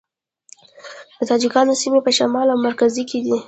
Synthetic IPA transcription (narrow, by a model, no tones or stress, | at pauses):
d̪̥ət̪ɑd͡ʒɪkɑnosimepəʃamɑlawmaɾkazikʰed̪i